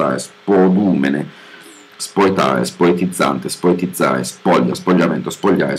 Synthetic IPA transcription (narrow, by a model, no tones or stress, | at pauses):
a̰ːɾḛspod̪uːmene | spojt̪a̰ːɾḛspoet̪id̪zːa̰nt̪espoet̪id̪zːa̰ːɾespɔʎːaspoʎːament̪ospoʎːa̰ːɾe